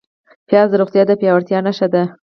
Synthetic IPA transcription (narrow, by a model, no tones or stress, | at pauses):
pjɑzəɾoɣt̪jɑd̪əpjɑwaɾt̪jɑnaʃad̪a